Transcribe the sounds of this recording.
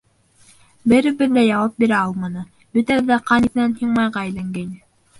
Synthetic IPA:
bɘ̆ɾɘ̆bɘ̆ðːæjɑwɑp̚biɾæɑlˠmɑnɤ | bɵ̆t̪æɘ̆ðæqɑniθɘ̆nænhiɴmɑjʁɑɘ̆jlæŋɡænɘ

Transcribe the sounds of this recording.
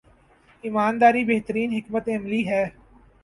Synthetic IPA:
ɪmaːnd̪aːɾibeɦt̪əɾiːnɦɪkmət̪eɐmliɦɛː

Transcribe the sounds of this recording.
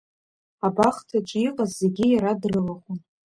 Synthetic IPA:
abaχtʰat͡ʃʼiqʼazːe̞ɡʲijaɾadrɨlaχʷʊn

